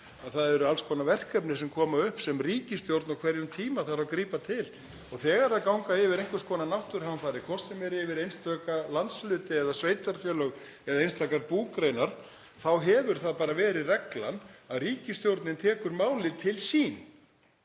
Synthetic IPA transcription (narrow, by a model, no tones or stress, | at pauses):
aðθaðɛɾʏalskʰɔːnavɛr̥kœpnɪsɛmkʰɔːmaʏhpsɛmriːcɪst̪jowɾt̪nawkʰvɛɾjʏmt̪ʰiːmaθaɾawkɾiːpat̪ʰɪl | ɔɣθɛːɣaɾðakawŋkaɪvɪɾejŋkvʏskʰɔːnanawht̪ʏɾ̥hanfaːɾɪkʰɔr̥t̪sɛmɛɾɪvɪɾejnst̪œːkalant̪slʏːt̪ɪɛðasveːjt̪aɾfjœːlœɣ | ɛðaejnst̪ʰakaɾpuːkɾejnaɾ̥ | θawɦɛvʏɾ̥θaðpaːɾavɛːɾɪðrɛkla̰naðriːcɪst̪jowɾt̪nɪnt̪ʰɛːkʏɾmaːwlɪt̪ʰɪlsiːn